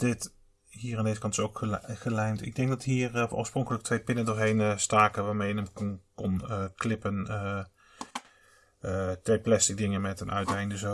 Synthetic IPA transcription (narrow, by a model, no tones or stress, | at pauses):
d̥ɪt | ɦiːɹandejzəkɑntsowkχəlɛjmtɪ̰ɡ̚dɛŋɡ̚dɑtɦiːro̰ːɹsproŋkələk̚tʰʋejpɪnəndʊːɹɦejnəstaːkəʋaːɹmejənɛmkɔnəklɪpənə | tʋejplɛstɪk̚dɪŋənmɛtənœ̰ɥt̚bɛjndəs